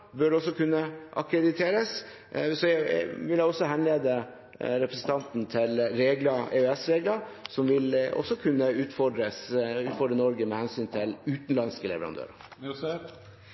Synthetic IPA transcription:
bœɖɛɔsːɔkʰʉnːəʔɑkʰɾɛd̪ɪt̪ʰeːɾəs | sɔæʋɪljæɪɔsːɔɦɛnleːd̪ə | ɾɛpʰɾəsən̩t̪ʰɑnt̪n̩t̪ʰɪlɾeːɡlɑeːœɛsɾeːɡlɑsɔmʋɪlɔ̰sɔkʰʉnːəʉːt̪fɔɖɾəsʉːt̪fɔɖɾənɔɾɡəmɛhɛnsyːnt̪ʰɪlʉːt̪n̩lɑnskəlɛ̰ʋəɾɑ̰nd̪ʰø̰ːɾə̰

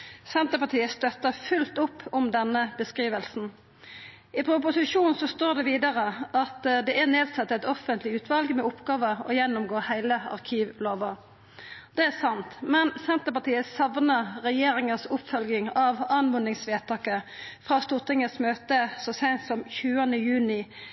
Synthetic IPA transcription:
sɛnt̪əpɑt̪ʰiːəst̪œt̪ːəfʉlt̪ʊpʰːʊmd̪ɛnːəbəskʁiːʋəlsn̩ | ɪpʰɾʊp̬ʊsɪʃuːnsɔst̪oːʁd̪ɛʋiːd̪ɑʁəʔɑt̪d̪ɛæʁneːd̪sɑt̪ːɛt̪ɔfənt̪lɪʉːt̪ʰʋɑlɡəmɛʊpːɡɑːʋəɔjɛnːʊmɡoːhæɪləɑ̰ʁkʰiːʋloːʋə | d̪̥ɛæsɑnt̪mɛnsɛnt̪əpɑt̪iːəsɑʋnəɾɛjeːɾɪŋəsʊpfœlɡɪŋɑʋɑnʋʊnɪŋsʋeːt̪ʰɑːkəfʁɑːst̪ʊʁt̪ɪŋəsmøːt̪əsɔsæɪnt̪sɔmçʉːənəjʉːnɪ

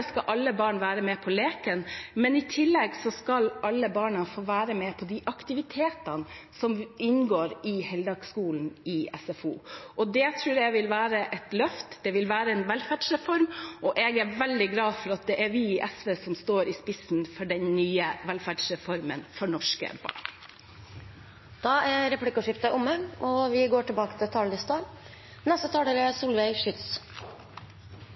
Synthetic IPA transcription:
skɑʔɑlːəbɑːɳʋæːɾəmɛpʰɔleːkənmɛnɪt̪ʰɪlːɛɡsɔskɑlɑlːəbɑːɳɑfoːʋæːɾəmɛpʰɔd̪ɪʔɑkt̪ɪʋɪt̪ʰeːt̪ɑnsɔmɪnɡoːɾɪhɛld̪ɑːɡskuːln̩ɪɛ̰sɛfṵːʔɔd̪ɛt̪ʰɾʉːɾɛɡʋɪlʋæːɾəʔɛt̪lœft̪d̪̥ɛʋɪlʋæːɾəɛnʋɛlfæːɖsɾɛfɔɾmɔʔɛɡæɾʋɛld̪ɪɡlɑːd̪fɔɾɑt̪̚d̪ɛʔæɾʋɪʔɛsʋeːsɔmst̪oːɾɪspɪsnfɔɖɛnnyːəʋɛlfæɖʂɾɛfɔɾmənfɔɳɔʂkə̰bɑ̰ɳ | d̪̥ɑæɾɾɛplɪkəʂɪpt̪əʔʊmːəʔɔʋɪɡoːʈɪlbɑːkə̥t̪ʰɪlt̪ʰɑːld̪ɪst̪ɑː | nɔst̪ət̪ʰɑːɖəɾɛsuːlʋæɪʂʏt̪s

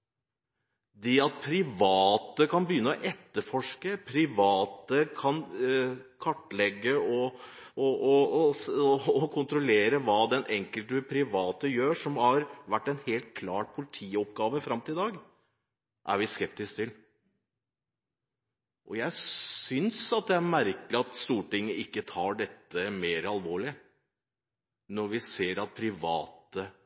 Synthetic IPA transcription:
d̪ɛɑt̪̚pʰɾɪʋɑːt̪əkʰɑnbəjʏnːəɔʔɛt̪ːəɾfɔʂkəpʰɾɪʋɑːt̪əkʰɑn | kʰɑʈːlɛɡːəɔ | ɔɔ | ɔkʰʊnt̪ɾɔleːɾəʋɑːd̪ɛnʔɛŋkəlt̪əpʰɾɪʋɑːt̪əjøːʂɔmhɑɾʋæʈːɛnheːlt̪̚kʰlɑːʈpʰʊlɪt̪ʰiːɔpɡɑːʋəfɾɑmt̪ʰɪlɪd̪ɑːɡ | ʔæ̰ɾʋɪskɛp̚t̪ɪskt̪ʰɪl | ʔɔjæɪsʏnsɑt̪̚d̪ɛæɾmæɾkəlɪɑt̪st̪uːʈɪŋːəɪkːət̪ʰɑːɖɛt̪ːəmeːɾəɑlʋoːɭɪə | nɔɾʋɪseːɾɑt̪̚pʰɾɪʋɑ̰ːt̪ə

